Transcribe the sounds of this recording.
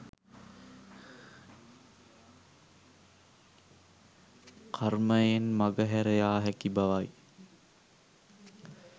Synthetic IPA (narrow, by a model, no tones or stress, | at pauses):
kʰarməjenmaɡəɦæɾəjaːɦækibaʋaj